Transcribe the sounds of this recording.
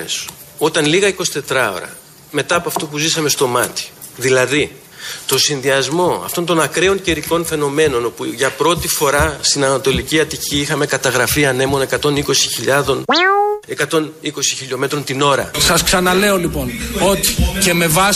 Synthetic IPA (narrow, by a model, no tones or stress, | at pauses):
es | o̞t̪ɐnliɣɐiko̞si̥t̪e̞t̪ɾɐo̞̰ɾɐ̰ | me̞t̪ɐːpoɐft̪o̞puzisɐme̞st̪o̞mɐt̪i̥ðilɐði | t̪o̞sinðiɐzmo̞ɐ̰ft̪o̞nt̪o̞nɐkɾe̞o̞ɲceɾiko̞nfe̞no̞me̞no̞no̞puʝɐpɾo̞t̪ifo̞ɾɐst̪inɐnɐt̪o̞liciɐt̪iciixɐme̞kɐt̪ɐɣɾɐfiɐne̞mo̞ne̞kɐt̪o̞niko̞si̥çiʎɐðo̞ne̞kɐt̪o̞niko̞siçiʎo̞me̞t̪ɾo̞nt̪ino̞ɾɐ̰sɐsksɐnɐle̞o̞lipo̞no̞t̪i̥ce̞me̞vɐ